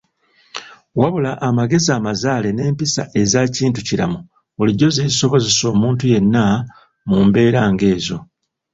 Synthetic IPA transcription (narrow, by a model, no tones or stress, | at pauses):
waβulaʔːmaɡe̞ziaːmazaːle̞ne̞ːmpisa̰ʔe̞zaːciːntuciɾa̰mu | βuliɟːo̞zeːiso̞βo̞ze̞so̞ːmuːntuje̞nːa | mumbe̞ːɾaːŋɡe̞ːzo̞